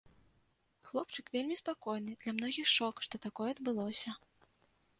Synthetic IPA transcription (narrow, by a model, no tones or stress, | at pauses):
xlˠɔp̚t͡ʂɨkvʲelʲmʲispakɔjn̪ɨd̪lʲɐmnɔɣʲixʂɔkʂt̪ɔt̪akɔjɛɐd̪bɨlˠɔsʲɐ